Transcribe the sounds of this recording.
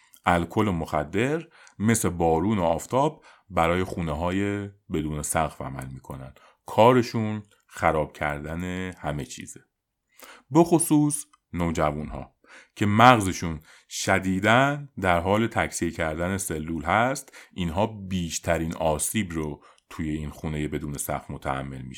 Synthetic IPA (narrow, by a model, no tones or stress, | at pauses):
ʔælkʰo̞lomo̞xæ̰d̪ːe̞ɾ | me̞se̞bɒːɾuːno̞ɒːft̪ʰɒːb̚ | bæɾɒːje̞xuːneɦɒːje̞be̞d̪uːnesæɣfæ̰mæ̰lmiːkʰo̞næ̰nd̪̥ | kʰɒːɾe̞ʃun | xæɾɒːb̥cʰæ̰ɾd̪æne̞hæme̞t͡ʃʰḭːze | be̞xosuːs | noːd͡ʒævunɦɒ̰ː | cʰe̞mæɣze̞ʃuːn | ʃæd̪iːd̪ænd̪æɾɦɒːle̞t̪ʰæcsiecʰæɾd̪æne̞se̞lːuːlhæst̪ʔiːnɦɒːbiːʃt̪ʰæɾiːnɒːsiːbɾo | t̪ʰuje̞iːnxuːne̞je̞be̞d̪uːne̞sæ̰ɣfmo̞t̪ʰææ̰mːe̞lmiʃ